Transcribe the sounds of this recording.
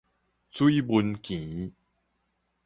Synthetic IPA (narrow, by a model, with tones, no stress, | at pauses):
t͡swi˦bu˧nkĩ˨˦